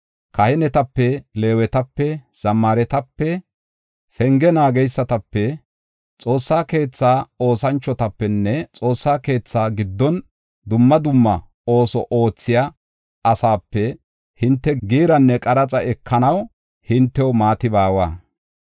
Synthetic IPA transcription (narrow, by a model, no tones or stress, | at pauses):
kɐhɛnɛt̪ɐpːɛle̞ːwɛt̪ɐpːɛz̥ɐmːɐɾɛt̪ɐpːɛ | fɛŋɡɛnaːɡɛjsːɐt̪ɐpːɛ | t͡sʼo̞ːsːaːke̞ːt͡sːaːo̞ːsɐnt͡ʃːɔt̪ɐpːɛnːɛt͡sʼo̞ːsːaːke̞ːt͡sːaːɡɪd̪ːɔn | d̪ʊmːɐd̪ʊmːɐ̰ | o̞ːsɔʔo̞ːt͡sːɪja | ɐsaːpːɛ | hɪnt̪ːɛɡiːɾɐnːɛkʼɐɾɐt͡sʼɐɛkʰːɐnɐw | hɪnt̪ːɛwɔmaːt̪ɪbaːwa̰ː